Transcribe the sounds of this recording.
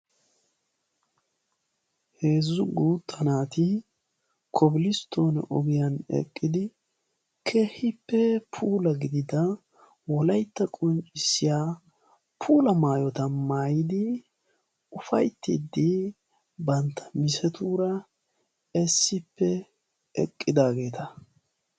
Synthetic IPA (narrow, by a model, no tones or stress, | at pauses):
he̞ːzːʊɡuːt̪ʰːɐnaːt̪ɪ | kʰɔbɪlɪst̪ʰːo̞ːnɛ̰ʔɔɡɪjɐnɛ̰kʼːɪd̪ɪ | kʰeːhɪpːɛpʰuːlɐɡɪd̪ɪd̪ɐ | wɔlɐjt̪ːɐkʼɔnt͡ʃʼɪsːɪjaː | pʰuːlɐmaːjɔt̪ɐmaːjɪd̪ɪ | ʊfɐjt̪ːɪ̰d̪ːɪ | bɐnt̪ʰːɐ̥mɪsɛt̪uːɾɐ | ɛsːɪpːɛ | ɛkʼːɪd̪aːɡe̞ːt̪ɐ